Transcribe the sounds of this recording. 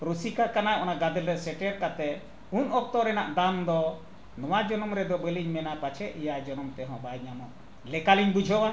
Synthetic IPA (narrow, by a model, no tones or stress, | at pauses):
pɾusikakanajʔɔnaɡad̪ɛlɾɛsɛʈɛɾkat̪ɛ | unɔk̚t̪ɔɾɛnaʔd̪and̪ɔ | nɔwad͡ʒɔnɔmɾɛd̪ɔbɛliɲmɛnapat͡ʃʰɛʔijajd͡ʒɔnɔmt̪ɛɦɔ̃bajɲamɔ | lɛkaliɲbud͡ʒʱɔwa